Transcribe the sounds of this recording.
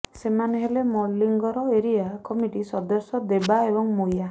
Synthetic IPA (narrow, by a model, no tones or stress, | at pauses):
semaneɦelemɔlːiŋɡɔɾɔeɾijakɔmiʈisɔd̪ɔsjɔd̪ebaebɔŋmoja